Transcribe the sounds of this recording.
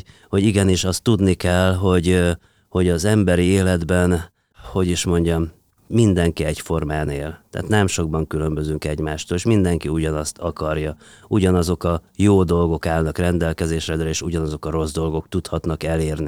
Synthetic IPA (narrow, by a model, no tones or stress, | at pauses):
ho̞ɟiɡɛniʃɒst̪ːud̪nikɛlːɦo̞ɟ | ho̞ɟɒzɛmbɛɾieːlɛd̪bɛn | ho̞ɟiʃmo̞ɲɟɒmː | ind̪ɛŋkiɛɟfo̞rmaːneːlt̪ɛ̰ːt̪nɛmʃo̞ɡ̚bɒŋkylø̞mbø̞zyŋkɛɟmaːʃt̪oːleʃmind̪ɛŋkiuɟɒnɒst̪ɒkɒrjɒ | uɟɒnɒzo̞kɒjoːd̪o̞lɡo̞kaːlnɒkrɛnd̪ɛlkɛzeːʃrɛd̪ɾɛeːʃuɟɒnɒzo̞kɒɾo̞zd̪o̞lɡo̞kt̪ut̪hɒt̪n̪ɒkɛleːrni